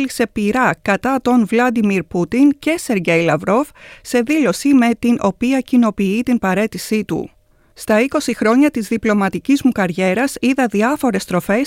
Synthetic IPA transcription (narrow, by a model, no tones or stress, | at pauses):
lise̞piɾɐkɐt̪ɐt̪o̞nvlɐd̪imiɾput̪ince̞se̞ɾʝe̞jlɐvɾo̞fse̞ðilo̞sime̞t̪inʔo̞piɐcino̞piit̪inpɐɾe̞t̪isit̪ṵ | st̪ɐiko̞sixɾo̞ɲɐt̪izðiplo̞mɐt̪icizmukɐɾʝe̞ɾɐsiðɐðiɐfo̞ɾe̞st̪ɾo̞fe̞s